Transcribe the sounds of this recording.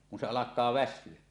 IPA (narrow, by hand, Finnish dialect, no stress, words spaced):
kun se ɑlɑkˑɑː ʋæsˑyø